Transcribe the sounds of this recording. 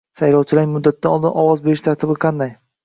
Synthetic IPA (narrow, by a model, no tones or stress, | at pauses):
sajlɒwt͡ʃʰɪlamʊd̪ːat̪ʰːaɒlˠd̪ɪnʔɒwɒzbeɾɪʃt̪ʰaɾt̪ʰɪbɪqʰɑnd̪aj